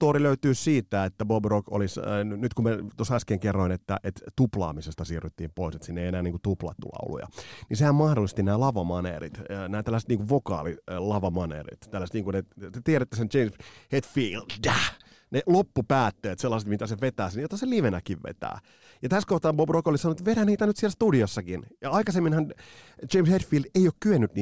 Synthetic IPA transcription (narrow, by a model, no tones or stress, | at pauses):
t̪oːɾiløyt̪yːssiːt̪ːæet̪ːæbobroko̰lisnyt̪kumet̪osæskeːŋkerːoinet̪ːæʔet̪t̪uplɑ̰ːmisest̪ɑsiːrːyt̪ːḭːmpoiset̪sinːeienæːniːŋkut̪uplɑ̰t̪ːṵlɑ̰ṵlṵjɑ̰nisehæmmɑhdolːist̪inæːlɑʋɑmɑnḛːrḭt̪ːnæːt̪ælːæset̪niːŋkuʋʋokɑ̰ːlilɑʋɑmɑnḛːrḭt̪t̪ælːæset̪niːŋkunet̪et̪ieɾæt̪ːesent͡ʃeimshet̪fiːlddæ | nelopːupæːt̪ːeːt̪selːɑset̪mit̪æseʋet̪æːsenjot̪ːɑseliʋenækiʋʋḛt̪æ̰ː | jɑt̪æskoht̪ɑːmbobrokolisɑnoet̪ʋeɾæniːt̪ænyt̪siɛlst̪udiosːɑkinjɑɑikɑsemːinhɑnt͡ʃeimshet̪fiːldeijoːkkyønːyt̪niː